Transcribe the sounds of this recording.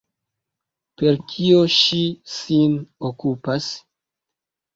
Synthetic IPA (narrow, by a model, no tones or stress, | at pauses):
pe̞ɾkʰio̞ʃisinokupas